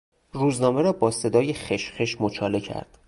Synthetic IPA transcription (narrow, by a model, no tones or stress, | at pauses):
ruːznɒːme̞ɾɒːbɒːse̞d̪ɒːje̞xeʃxeʃmot͡ʃʰɒːle̞cʰæ̰ɾd̪̥